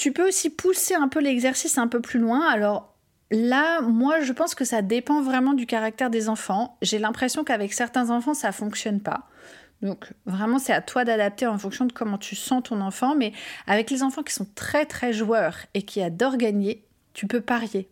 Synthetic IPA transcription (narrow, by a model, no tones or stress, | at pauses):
t̪ypøosipʰuseɛ̃pølɛɡzɛʁsisɛ̃pøplylwɛ̃alɔʁ | lamwaʒəpɑ̃skəsad̪epɑ̃vʁɛmɑ̃d̪ykaʁak̚t̪ɛʁd̪ezɑ̃fɑ̃ʒelɛ̃pχesjɔ̃kavɛksɛʁt̪ɛ̃zɑ̃fɑ̃safɔ̃ksjɔnpa̰ | d̪ɔ̃kvʁɛmɑ̃sɛat̪wad̪ad̪ap̚t̪eɑ̃fɔ̃ŋksjɔ̃d̪əkɔmɑ̃t̪ʰysɑ̃t̪ɔ̃nɑ̃fɑ̃mɛavɛklezɑ̃fɑ̃kʲi̥sɔ̃t̪χɛt̪χɛʒwœːʁekʲiad̪ɔʁɡaɲe | t̪ypøpaʁje